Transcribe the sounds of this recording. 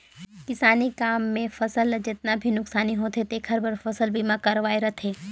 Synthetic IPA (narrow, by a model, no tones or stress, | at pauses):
kɪsaːnikaːmːẽfɐsəld͡ʒɪt̪nabʱinʊksaːniɦot̪ʰet̪ekʰəɾbɐɾfɐsəlbimãkɐɾʋaːeɾɐt̪ʰeː